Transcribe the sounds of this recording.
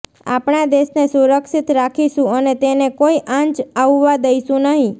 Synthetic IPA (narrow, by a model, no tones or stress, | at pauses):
a̰pɳad̪eʃnesuɾəkʃit̪ɾakʰiʃũənet̪enekoiʔãɲt͡ʃaʋːad̪əiʃũnəɦĩ